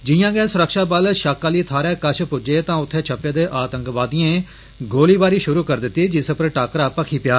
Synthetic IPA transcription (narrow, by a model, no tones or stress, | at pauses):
d͡ʒɪjãːɡɛːsʊɾəkʃaːbəlʃaːkːaːliːt̪ʰaːɾɛːkət͡ʃʰpʊd͡ʒeːt̪ãːʊt̪ʰːeːt͡ʃʰəpːeːd̪eːʔaːt̪ə̃ŋkʋaːd̪ijẽː | ɡoːliːbaːɾiːʃʊɾuːkəɾd̪ɪt̪ːiːd͡ʒɪspəɾʈaːkəɾaːpəkʰiːpɪjaː